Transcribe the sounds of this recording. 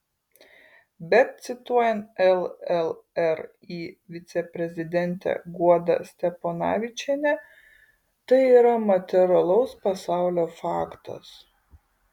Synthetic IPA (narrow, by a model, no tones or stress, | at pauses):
bʲɛt̪̚t̪sʲɪt̪uɔjɛnt̪ɛlˠɛlˠɛɾ | iːʋʲɪt̪sʲɛpʲɾʲɛzʲɪd̪ʲɛnʲˑt̪ʲɛ̰ɡuɔd̪ɐ̰sʲt̪ʲɛponɑ̰ːʋʲɪt͡ʃʲɛnʲɛ | t̪ɐɪiːɾɐmɐt̪ʲɛɾɐlˠɐʊspɐsɑˑʊlʲoːfɑːkt̪ɐ̰s